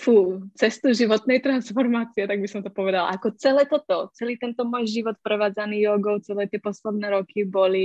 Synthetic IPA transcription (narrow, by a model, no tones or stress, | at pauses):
fuːt͡sɛst̪uʒivot̪nɛjt̪ɾansfoɾmat͡siɛt̪aɡbisɔmt̪opovɛd̪alʔakot͡sɛlɛːt̪ot̪ɔt͡sɛliːt̪ɛnt̪omojʒivɔt̪pɾɛvaːd͡zaniːjoɡowt͡sɛlɛːt̪jɛposlɛd̪nɛːɾokiboli